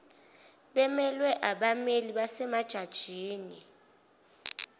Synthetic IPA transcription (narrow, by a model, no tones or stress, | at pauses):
ɓɛmɛlwɛʔaɓameliɓasɛmad̥ʒ̥ʱad̥ʒ̥ʱiːni